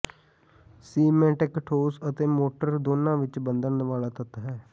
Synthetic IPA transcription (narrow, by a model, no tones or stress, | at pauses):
siːmɛ̃ːʈɪkʈʰoːsət̪eːmoːʈəɾd̪oːnãːʋɪt͡ʃbənd̪əɾnʋaːlaːt̪ət̪ɦɛː